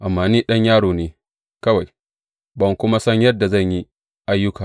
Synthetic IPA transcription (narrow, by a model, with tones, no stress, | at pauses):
ʔa˨mːaː˨niː˦ɗɐ˦ɲjaː˦ɽoː˨neː˦ | kɐ˦wa˨j | bɐ˨ŋkʷʊ˦ma˦sɐ˦ɲjɐ˦dːa˨zɐ˦˨ɲji˦ | ʔa˦jːʊ˦kaː˨